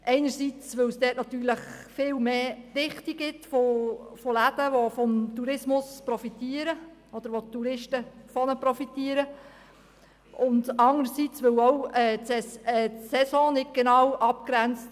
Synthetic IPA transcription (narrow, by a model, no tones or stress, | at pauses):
ʔɛɪnəɾsiːt͡sʋɵwsd̥ɛːtnɑt̪yːləχfɪːlmeːdɪχtiɡɪtfofolædəʋofɔmt̪uɾɪsmʊspɾɔfitiːəɾəɔd̪əɾʋot̪uɾɪʃtəfɔnəpɾɔfitiːəɾə | ʔʊndɑnəɾəsit͡sʋɵwɔwɛɛɛsɛsɔ̃ːnɪt̚ɡ̥enɑːwʔɑpkɾænt͡st